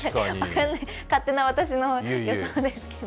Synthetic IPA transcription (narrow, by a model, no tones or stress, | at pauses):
βakãnːai | kat̪ːe̞naβat̪aɕ̬inojood̪esɨ̥kːed̪o